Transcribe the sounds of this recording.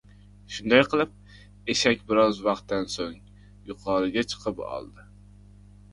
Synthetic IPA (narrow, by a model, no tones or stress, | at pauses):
ʃund̪ɛjqʰəlˠɨp̚ | eʃɛkʲbɪɾɑzwɑχt̪ːɛnsoŋ | juqʰɑːɾɨɡʲɛt͡ʃʰə̥qʰəpɑ̰lˠd̪ɨ